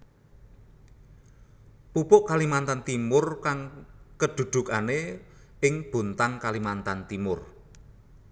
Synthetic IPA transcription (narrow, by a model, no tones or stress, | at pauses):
pupʊʔkalimant̪ant̪imʊrkaŋkəd̪̥ṳd̪̥ṳkaneɪŋb̥o̤nt̪aŋkalimant̪ant̪imʊr